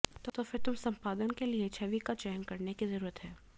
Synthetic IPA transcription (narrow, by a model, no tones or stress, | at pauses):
t̪oːt̪ofɪɾt̪ʊmsɐ̃mpaːd̪ənkeliet͡ʃʰɐʋikat͡ʃɛjənkɐɾnekizɐɾuːɾət̪ɦɛː